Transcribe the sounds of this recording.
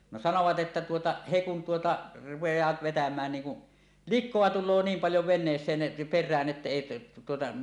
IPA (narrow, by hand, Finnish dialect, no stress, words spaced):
no sɑnoʋɑt ʔetːæ tuotɑ he kun tuotɑ rupejˑɑːt ʋetæmæːn niːŋ ku likˑoɑ tulˑoː niːm pɑljo ʋenˑeːsˑeːn perˑæːn ʔetːæ eˑi tuotɑ